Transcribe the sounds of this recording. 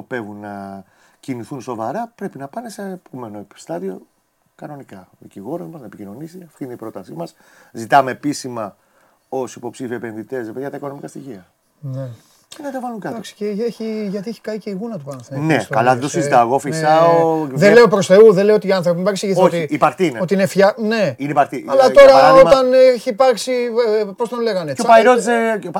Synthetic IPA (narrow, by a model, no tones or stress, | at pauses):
ope̞vunnɐ | ciniθunso̞vɐɾɐpɾe̞pinɐpɐne̞sepome̞nost̪ɐðio̞ | kɐno̞nikɐðiciɣo̞ɾozmɐznɐepicino̞nisiɐft̪inipɾo̞t̪ɐsimɐszit̪ɐme̞ːpisimɐ | o̞sipo̞psifiepe̞nðit̪e̞sɾepeðijɣɐt̪ɐiko̞nomikɐst̪içiɐ | ne | cenɐt̪ɐvɐluŋkɐtd̪ɐksi̥ceeçiʝɐt̪ieçi̥kɐiceiɣunɐt̪upɐnɐθenneskɐ̰lɐðet̪osizit̪ɐeɣofisɐooðenle̞opɾosθe̞uðeleoot̪iɐnθɾopimipɐɾksiʝiθootiipɐkt̪iineo̞t̪iinefçɐne̞ineipɐɾt̪iɐlɐt̪o̞ɾɐo̞t̪ɐneçiːpɐɾksipost̪onle̞ɣɐneopɐɾozeo